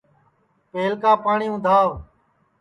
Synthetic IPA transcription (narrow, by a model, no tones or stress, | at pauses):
peːlkaːpaːɳiːʊ̃ːd̪ʱaːʋ